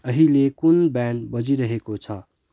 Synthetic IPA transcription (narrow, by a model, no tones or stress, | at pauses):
əɦilekunbɛɳɖbəd͡ʒiɾəɦekot͡ʃʰʌ